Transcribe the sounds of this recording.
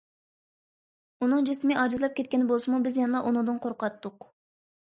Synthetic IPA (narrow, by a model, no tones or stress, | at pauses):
unɨŋd͡ʒesmɪʔɑːd͡ʒɨzlˠɑp̚kʲʰɛt̪̚kʲɛnbolˠsmubɪzjɛnɨlˠɑʔonud̪ɨnqʰoɾqɑt̪ːʊq